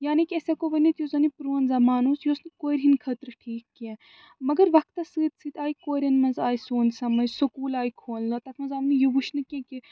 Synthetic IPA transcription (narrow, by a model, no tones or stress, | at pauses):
jaːnikʲiɐsekoʋɐnit̪jozɐnipɾuːɐnzɐmaːnuːsjoːsnɨkoːɾʲɦinkʰɐt̪ɾɨʈʰiːkːiɛ̃ | mɐɡɐɾʋɐk̚t̪ɐsɨːt̪sɨːt̪aːikoːɾʲɐnmɐnzaːjsoːnʲsɐmɐd͡ʒsɐkuːlaːjkʰoːlnɐt̪ɐkmɐnzɐʋnɨjubuʃnɨkiẽkʲi